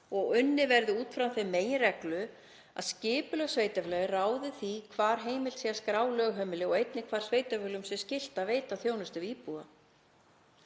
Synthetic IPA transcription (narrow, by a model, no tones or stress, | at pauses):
ɔɣʏnːɪvɛɾðʏuːt̪fɾamθejmeːjɪrɛklʏ | a̰ðscɪːpʏlœɣsveːjt̪aflɛːɣɪraːwðɪθikʰvaːɾ̥ɦeːjmɪlt̪siaskɾaːwlœɣɦœmɪlɪɔɣejt̪nɪkʰv̥aːɾ̥sveːjt̪afʏlʏmsjɛscɪl̥t̪aveːjt̪aθjoːwnʏst̪ɪviːpua